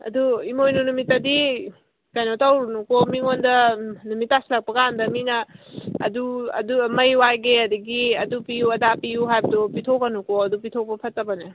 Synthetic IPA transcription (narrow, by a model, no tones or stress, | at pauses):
ɐ̰duimojnunumitːɐdi | kajnotawɾunukomiŋondɐnumitːaslak̚pɐɡandɐminɐ̰ː | duɐ̰dumɐjwajɡeɐdiɡiɐdupijuɐdapijuɦajbɐdupitʰoɡɐnukoɐdupitʰok̚pɐpʰɐtːɐbɐne